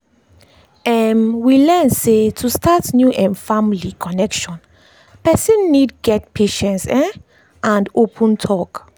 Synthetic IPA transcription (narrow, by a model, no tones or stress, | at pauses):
ɛmwilɛnsetʰustatnjuʔɛ̃nfãmilikʰɔnɛkʃɔ̃n | pɛsɛ̃nːidɡɛt̚pʰeʃɛ̃ntsɛ̃ | ʔãndopʰɔ̃ntʰɔk